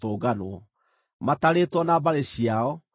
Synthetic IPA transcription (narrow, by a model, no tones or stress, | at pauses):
toːɡanoɔ | mataɾeːtwɔnabaɾeɕiaɔ